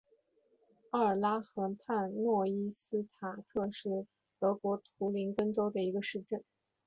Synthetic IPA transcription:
a˥˩ə˞˨˩la˥xɤ˧˥npʰa˥˧nnwɔ˥˩i˥sɹ̩˥t̪ʰa˨˩t̪ʰɤ˥˧ʂɻ̩˥˩ | t̪ɤ˧˥kwɔ˧˥t̪ʰu˧˥li˧˥nkə˥ŋʈ͡ʂo˥ʊd̪ə˨i˧˥ɡə˧ʂɻ̩˥˧ʈ͡ʂə˥˩n

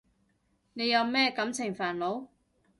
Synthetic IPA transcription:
ne˨˧jːɐ˨˧wmɛː˥kɐ˨˥mt͡sʰɪ˨˩ŋfaː˨˩nlo˨˥w

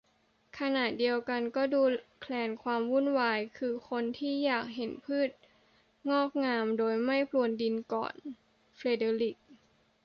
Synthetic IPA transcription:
kʰa˧na˨˩t̪̚di˧əwka˧nkɔː˥˩duː˧kʰlɛː˧nkʰwaː˧mwu˥˩˨nwaː˧jkʰɯː˧kʰo˧nt̪ʰiː˥˩jaː˨˩k̚ɦe˩˦npʰɯː˥˩t̪̚ | ŋɔː˥˩k̚ŋaː˧mdoː˧jma˥˩jpʰlu˧˩əndi˧nkɔ̰ː˨˩n | fle˧deː˧li˨˩k̚

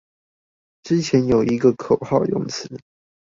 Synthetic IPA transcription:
ʈ͡ʂɻ̩˥t͡ɕʰjɛ˨˦˥njo˨˩ʊi˧˥ɡə˧kʰo˨˩ʊxɑ˥˧ʊjʊ̰˥˩ŋt͡sʰɹ̩˨˦

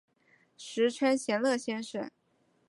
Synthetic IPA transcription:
ʂɻ̩˧˥ʈ͡ʂʰa˥nɕjɛ˧˥nlɤ˥˩ɕjɛ˥nʂə̰˥˩n

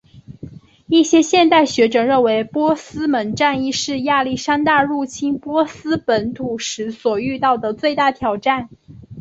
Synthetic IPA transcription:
i˥˩ɕjɛ˥ɕjɛ˥˧nt̪a˥˩ɪɕɥɛ˧˥ʈ͡ʂɤ˨˩ɻə˥˩nwe˧˥ɪpwɔ˥sɹ̩˥mə˧˥nʈ͡ʂa˥˧ni˥˧ʂɻ̩˥˧ja˥˧li˥˩ʂa˥nt̪a˥˧ɻu˥˩t͡ɕʰi˥npwɔ˥sɹ̩˥pə˧˥nt̪ʰu˨˩ʂɻ̩˧˥swɔ˨˩y˥˧t̪ɑ˥˩ʊd̪ə˩t͡swe˥˧ɪt̪a˥˩t̪ʰjɑ˨˩ʊʈ͡ʂa˥˩n

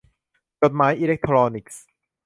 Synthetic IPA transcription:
t͡ɕo˨˩t̪̚maː˩˦jʔiː˧le˦˥k̚t̪ʰɾɔː˧ni˨˩k̚s

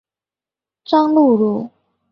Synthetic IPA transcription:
ʈ͡ʂɑ˥ŋlu˥˧ɻu˥˩

